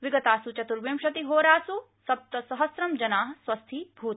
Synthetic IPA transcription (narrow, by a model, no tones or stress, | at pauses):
ʋiɡɐt̪aːsut͡ʃɐt̪uɾʋemʃɐt̪iɦoːɾaːsu | sɐp̚t̪ɐsɐɦɐsɾɐmd͡ʒɐnaːɦɐ̆swɐst̪ʰibʱuːt̪